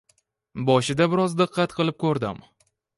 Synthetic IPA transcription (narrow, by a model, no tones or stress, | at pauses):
bɒʃɪd̪abɪɾɒzd̪ɨqʰːɑt̪qʰɨlˠɪp̚kʰɵɾd̪ɪ̰m